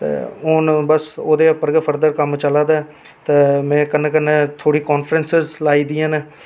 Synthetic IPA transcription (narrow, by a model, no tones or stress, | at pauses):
t̪ḛːonbəsoːd̪eːəpəɾɡəpʰəɾd̪əɾkəmt͡ʃəlaːd̪aː | t̪eːmɛ̃ːkənːẽːkənːẽːt̪ʰoːɽiːkɔːnfʰɾənsəzlaːiːd̪iːãːne